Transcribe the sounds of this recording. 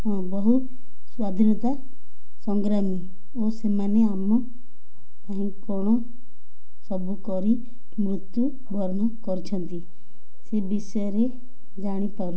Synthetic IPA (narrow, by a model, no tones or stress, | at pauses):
ɔ̃bɔɦu | swaːd̪ʱinət̪a | sɔ̃ŋɡɾaːmi | osemaneaːm | paːĩkɔːɽ̃o | sɔbukɔɾi | mɾʊt̪ju | bʱɔɾnɔkɔɾt͡ʃʰə̃nt̪i | sebɪsjɾe | d͡ʒaːɽ̃ipɐɾu